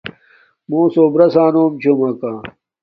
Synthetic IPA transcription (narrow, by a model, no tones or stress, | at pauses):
mõːsoːbɾɐsaːnoːmt͡ɕʰomɐkãː